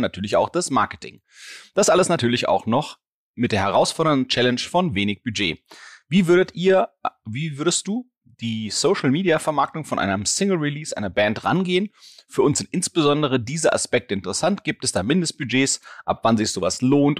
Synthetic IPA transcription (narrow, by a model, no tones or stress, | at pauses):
natʰyːɐlɪça̰ʊxd̥asmaɐkə̥tʰɪ̰ŋ | d̥asʔaləsnatʰyːɐlɪça̰ʊxnɔχ | mɪt̚d̥eːɐhɛʁaʊsfɔɐɾəndn̩t͡ʃɛlɛnʃfɔnveːnɪçb̥yd͡ʒeːviːvʏɐɾətiːɐviːvʏɐɾəstd̥uː | d̥iːsoʊʃl̩miːdiafɛɐmaɐk̚tʊŋfɔnʔa̰ɪnəmsɪŋl̩ʁiliːsʔa̰ɪnɐbɛːntʁa̰nɡeːənfyːɐʔʊnçz̥ɪntʔɪnsb̥əzɔndəʁ̞ədiːzəʔa̰spɛk̚təɪntəʁəsantɡ̥iːp̚tɛsd̥aːmɪndəst̚b̥yd͡ʒeːsʔa̰pv̥anzɪçz̥oːvasloːnt